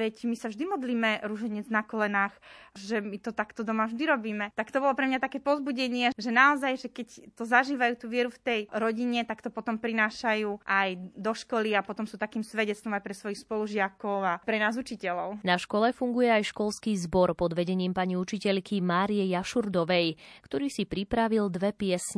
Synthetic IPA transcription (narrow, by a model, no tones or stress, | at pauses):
ʋɛcmisavʒd̪imɔd̪liːmɛɾuʒɛɲɛd͡znakɔlɛnaːxʒɛmit̪ɔt̪akt̪ɔd̪ɔmavʒd̪iɾɔbiːmɛt̪akt̪ɔbɔlɔpɾɛmɲat̪akɛːpɔzbuɟɛɲɪɛʒɛnaɔzajʒɛkɛct̪ɔzaʒiːʋajuːt̪uːʋɪɛɾuft̪ɛjɾɔɟiɲɛt̪akt̪ɔpɔt̪ɔmpɾinaːʃajuːʔajd̪ɔʃkɔliapɔt̪ɔmsuːt̪akiːmsʋɛɟɛt͡st̪ʋɔmajpɾɛsʋɔjixspɔluʒɪakɔʊapɾɛnaːzut͡ʃicɛlɔʊnaʃkɔlɛfuŋɡujɛajʃkɔlskiːzbɔɾpɔd̪ʋɛɟɛɲiːmpaɲiut͡ʃicɛʎkimaːɾijɛjaʃuɾd̪ɔʋɛjkt̪ɔɾiːsipɾipɾaʋild̪ʋɛpɪɛsɲɛ